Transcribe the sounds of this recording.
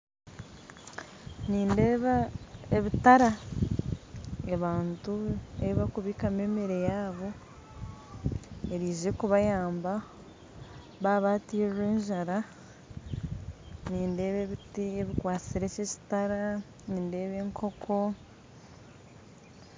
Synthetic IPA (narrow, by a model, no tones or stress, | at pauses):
niːndeβaeβitaɾa | eβaːntuḛβiβakuβiːkame̞ːmiɾe̞jaːβo̞ | e̞ɾiːʒekuβajaːmba | βaβaːtiːrwe̞ːɲʒaɾa | niːnde̞ːβeβitieβikwaːt͡siɾe̞ceci̥taɾa | niːnde̞ːβe̞ːŋkʰo̞kʰo̞